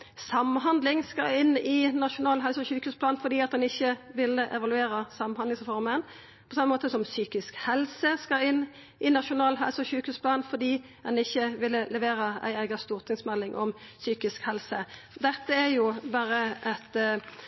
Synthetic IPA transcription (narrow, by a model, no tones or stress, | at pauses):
sɑmːɦɑnd̪lɪŋskɑɪnːɪnɑʃʊnɑːlɦɛlsəɔçʉːkhʉːspʰlɑːnfɔd̪iːɑt̪d̪ɛnɪçːəʋɪlːəʔɛʋɑlʉeːɾəsɑmɑd̪ɪŋsʁɛfɔɾmən | pʰɔsɑmːəmoːt̪əsɔmsyːkɪskhɛlsəskɑɪnː | ʔɪnɑʃʊnɑːlɦɛ̰lsəɔçʉːkhʉːspʰlɑːnfɔd̪iː | d̪ɛnɪçːəʋɪlːəlɛʋeːɾəæ̰ɪæɪɡɑst̪uːʁt̪ʰɪŋsmɛlːɪŋʔɔ̰msyːkɪskhɛlsəd̪ɛt̪ːəɛɾjʊbɑːɾəʔɛt̪